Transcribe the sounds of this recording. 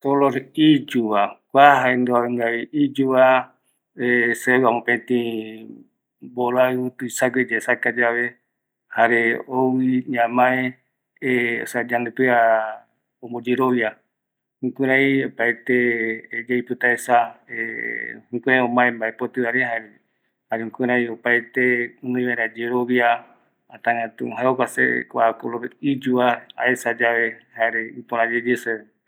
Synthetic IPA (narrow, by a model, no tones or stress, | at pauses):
soloɾid͡ʒuβakʷaɦaend̪oaŋɡaiid͡ʒuβa | esewamõpet̪ĩ | boɾat̪uisaɡed͡ʒesakad͡ʒaβe | haɾeowiɲãmãẽ | eo̰sad͡ʒand̪et̪ua | ombod͡ʒiɾoβja | hũkʷɨ̃ɾãiopajt̪ed͡ʒeipɨt̪aesaehũkʷẽẽõmaẽmbaepot̪ɨβaɾeɦaeɾe | haɾeũkʷɨ̃ɾãĩopajt̪eɨ̃nɨ̃ĩβaɾad͡ʒeɾoβjaː | t̪ãŋãt̪ũɦaeokʷasḛkʷakoloβeid͡ʒuaaesad͡ʒaβehaeɾeɨpoɾ̃ãd͡ʒed͡ʒese